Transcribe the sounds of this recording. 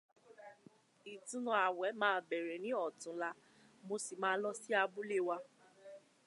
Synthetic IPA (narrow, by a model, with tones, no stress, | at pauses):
i˨tũ˧nɔ̃˧a˨wɛ˨˦mãː˦bɛ˨ɾɛ˨nĩ˨˦ɔ˦˨tũ˨˦la˧ | mo˧si˨mãː˧˦lɔ˦si˦a˧bu˦le˦˨wa˧